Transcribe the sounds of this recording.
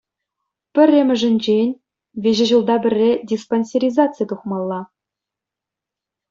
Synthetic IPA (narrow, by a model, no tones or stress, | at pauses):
pʲɘ̆rʲːĕmʲɘ̆ʐɘ̆nʲd͡ʑenʲ | vʲeʑɘ̆ʑulˠd̪ɑbʲɘ̆rʲːedʲisponʲsʲeɾʲizɑtt͡sɨjt̪uχmɑlˠːɑ